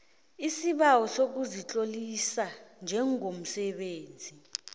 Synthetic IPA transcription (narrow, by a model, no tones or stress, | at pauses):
isiɓawɔsok̬uzit͡ɬʼolisand͡ʒʱɛŋom̩sɛɓeːnd͡zʱi